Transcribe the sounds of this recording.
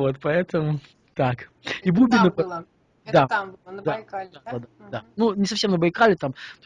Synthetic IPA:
vo̞t̪pɐɛt̪əmʊ | t̪ak | ibubʲɪnəpɐ | d̪ad̪ad̪ad̪ad̪ad̪anunʲɪsɐfsʲemnəbɐjkalʲɪt̪amt̪o

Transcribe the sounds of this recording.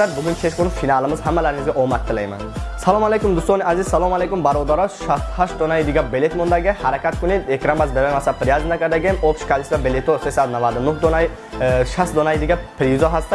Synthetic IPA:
aɾbʊɡʲunt͡ʃʰeʃbunfinaːlˠɪmɪzhamːalaɾnizɡʲaʔomat̪ʰːɪlajma̰nsalɔmalekumd̪ʊst̪oniazizsalˠɔmalejkumbaɾod̪aɾɔʃast̪haʃd̪onajd̪ɪɡʲabelet̪mɔnd̪aɡʲahaɾakʰʲat̪̚kʰʊnid̪ekɾambazbebajmasapʰːɾijazind̪akʰaɾd̪aɡʲemofʃkʰalisd̪abelet̪osesad̪navad̪ɪnʊhd̪onaj | ʃasd̪ɔnajd̪ɪɡʲapʰɾizɔɦast̪

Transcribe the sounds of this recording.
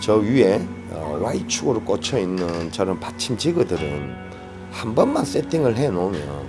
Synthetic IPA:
t͡ɕʌɥieʌ̰wait͡ɕʰuɡɯɾok͈ot͡ɕʰʌinːɯnt͡ɕʌɾɯmpat͡ɕʰint͡ɕiɡɯdɯɾɯn | hambʌnmans͈etʰiŋɯɭɦe̞nomjʌn

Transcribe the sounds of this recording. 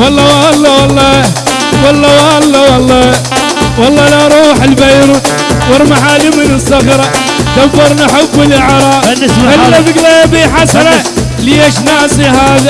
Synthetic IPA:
wɑlˤːɑwalˤːɑwɑlˤːɑ | wɑlˤːɑwɑlˤːɑwɑlˤːɑ | wɑlˤːɑːlaɾˤuːħɪlbajɾuːt̪ | wɑɾˤmaħaːlimɪnɪsːaxɑɾˤɑ | t̪abːɑɾˤnaħabːɪlʔɪʕɾˤɑːalːabɪɡlajbiːħasɑɾˤɑ | lieːʃnaːsiɦaːða

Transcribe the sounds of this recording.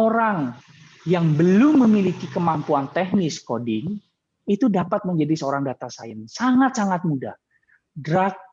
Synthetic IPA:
oɾaŋ | jaŋbəlʊmːəmilikikəmampuant̪ɛhnɪskodɪŋ | it̪udapat̪̚məɲd͡ʒadisəoɾaŋdat̪asa̰ənsaŋat̪̚saŋat̪̚muda̰h | dɾak̚

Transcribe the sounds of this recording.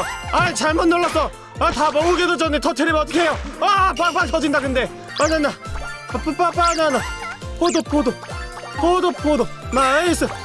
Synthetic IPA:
anet͡ɕaɭmonːoɭːas͈ʌ | atabʌuɡedod͡ʑʌnet͡ɕʌtʰeɾimʌt̪ʰʌ̥kʰeɦejoapaŋpaŋsʰʌd͡ʑindakɯnde̞ | mad͡ʑanːapup͈ap͈ananapod̪opod̪o | podopʰod̪omais͈ɯ

